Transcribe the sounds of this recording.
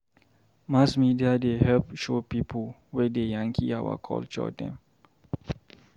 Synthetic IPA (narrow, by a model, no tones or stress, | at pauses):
masmidiadehɛlpʃopipʰəl | wɛdejãŋkʰiawə̰kʰɔ̰lt͡ʃɔ̰dɛ̰̃m